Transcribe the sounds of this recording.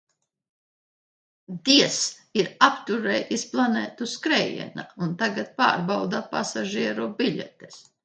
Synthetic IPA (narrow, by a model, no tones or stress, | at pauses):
d̪iɛs | iɾapt̪uɾɛːjisplˠaneːt̪uskɾɛjɛ̰naunt̪aɡat̪̚pa̰ːɾbawd̪apasaʒiɛɾubiʎʲɛ̰t̪es